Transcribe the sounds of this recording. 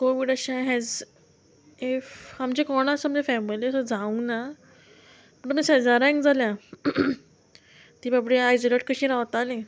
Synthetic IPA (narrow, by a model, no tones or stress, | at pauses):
koʋiɖəɕãɦɛd͡z | efhamd͡ʑekɔɽ̃asəmd͡ʑefɛmiliəsəd͡zʱaũna | məɳʈmə̃sɛd͡zaɾɛ̃ŋkd͡zʱaljã | t̪iːbabɽeajsoleʈ̚kəɕĩɾaʋt̪alẽ